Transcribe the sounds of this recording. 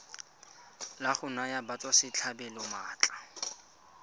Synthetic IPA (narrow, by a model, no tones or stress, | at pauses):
laχʊnajabat͡sʼwasɪt͡ɬʰabɛlʊmaːt͡ɬʼḁ